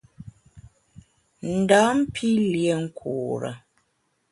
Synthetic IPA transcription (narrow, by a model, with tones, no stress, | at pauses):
n̩˨da˨˦m̩˦pʰi˦ljɛ˨˦ŋ̩˦kʰuː˨ɾə̰˨